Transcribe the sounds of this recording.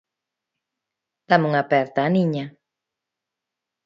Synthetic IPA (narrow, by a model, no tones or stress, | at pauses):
d̪̥amuŋapɛɾt̪aːniɲa